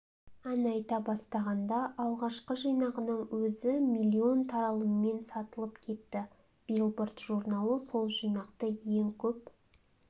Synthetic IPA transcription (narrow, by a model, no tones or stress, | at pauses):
ænɑjt̪ɑbɑst̪ɑʁɑnd̪ɑʔɑlˠʁɑʃqəʒijnɑʁənəɴwɵzɪmijlʲːio̞nt̪ʰɑɾɑlˠəmme̞nsɑt̪əlˠəpkʲʰe̞t̪ːɪ | b̥ilˠbʊrt̪ʒuɾnɑlˠəso̞lˠʒijnɑqt̪əjeŋkʲʰɵp̚